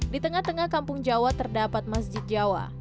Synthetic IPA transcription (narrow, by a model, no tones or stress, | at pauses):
dit̪əŋaht̪əŋahkampʊŋd͡ʒawat̪ərdapat̪̚masd͡ʒɪt̪̚d͡ʒawa̰